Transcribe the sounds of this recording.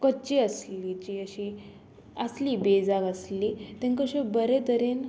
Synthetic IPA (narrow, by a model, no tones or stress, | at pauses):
kət͡ɕiəslit͡ɕiəɕi | əslibed͡zaɡəslit̪ẽŋkəɕẽbəɾet̪əɾen